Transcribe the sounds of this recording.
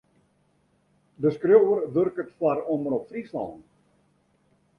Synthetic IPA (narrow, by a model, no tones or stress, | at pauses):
dəskrjowərʋɵrkətfwaroməɾɔpfrislɑ̰n